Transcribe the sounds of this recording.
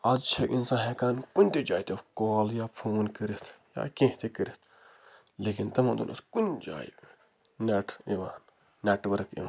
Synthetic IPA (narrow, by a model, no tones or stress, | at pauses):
ɐt͡ʃʰɐʔinsãːɦeːkaːnkunʲt̪ed͡ʒaːjit̪ekoːljaːpʰoːnkəɾit̪ʰja̰ːkẽɦt̪ekəɾit̪ʰ | leːkint̪ɐmɐ̃nd̪ṵnʔṵskunʲd͡ʒa̰ːjḭ | neːʈʰiʋaːnː | eːʈʋɐɾkḭʋãːn